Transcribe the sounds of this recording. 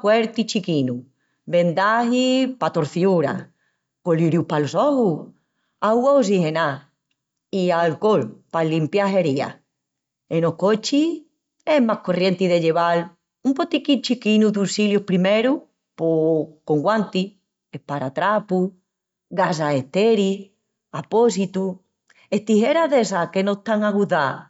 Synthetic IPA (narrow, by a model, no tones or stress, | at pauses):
kweɾt̪it͡ʃikinu | be̞nd̪ahipat̪o̞ɾθjuɾa̰ | koliɾjupalosohu | aɣwaosihe̞na | ialkolpalimpjaɦe̞ɾia̰ | enohkot͡ʃi | e̞mahko̞rje̞nt̪iðeʎe̞βal | umpot̪ikit͡ʃikinuðusiljopɾime̞ɾu | pokoŋɡwant̪i | epaɾat̪ɾapu | ɣas̬ae̞ht̪eɾi | apo̞s̬it̪u | e̞ht̪ihe̞ɾaðesake̞not̪aŋaɣuða